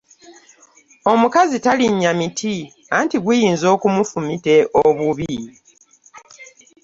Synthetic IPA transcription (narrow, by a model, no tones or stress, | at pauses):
o̞mukazitaliɲːamitʰi | antiɡwujiːnzo̞ːkumufumite̞ʔoβuβi